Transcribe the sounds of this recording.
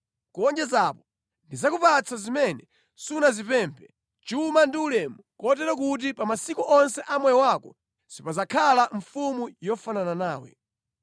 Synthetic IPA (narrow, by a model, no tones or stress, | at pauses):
kɔnd͡ʒɛzapɔ̥ | ndizakupat͡sʰazimɛnɛ | sunazipɛmpʰɛ | t͡ʃumandiulɛmukɔtɛɾɔk̬ut̬ipamasikuʔɔnsɛʔamwɛjɔwakɔ | sipazakʰalaɱfumujɔfanananaːwɛ̰